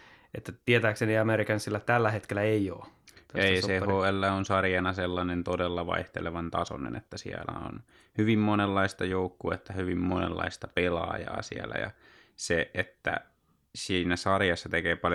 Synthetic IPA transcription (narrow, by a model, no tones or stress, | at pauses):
et̪ːæt̪iet̪æːkseniɑmeɾikɑnsilːɑt̪ælːæhet̪kelːæeijo̰ːt̪eissehoːelːæonsɑrjɑnɑselːɑnent̪odelːɑʋɑ̰iht̪ḛleʋɑnt̪ɑso̰nḛnḛt̪ːæsḭælæ̰o̰n | hyʋimmonelːɑist̪ɑjoukːuet̪ːæhyʋimmonḛlːɑ̰ist̪ɑpelɑ̰ːjɑ̰ːsḭælæ̰jɑ̰ | seet̪ːæ̰ | siːnæsɑrjɑsːɑt̪ekeːpɑl